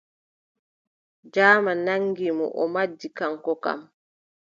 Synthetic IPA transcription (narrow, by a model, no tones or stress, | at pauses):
d͡ʒaːmanaŋɡimɔ̰ʔɔ̰mad͡ʒːikaŋkɔka̰m